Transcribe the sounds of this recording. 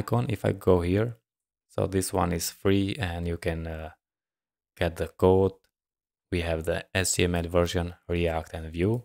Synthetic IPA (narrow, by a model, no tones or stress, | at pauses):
kɔ̃nɪ̰fa̰ɪɡoʊhiɹ | so̰ʊðɪswʌ̰̃nɪz̥fɹiɛ̃ndjukɨ̃n | ɡ̥ɛt̪̚ðəkoʊt̚ | wihævðḭɛsiɛmɛlvɜ˞ʃɔ̃nɹiæk̚tɛ̃nvju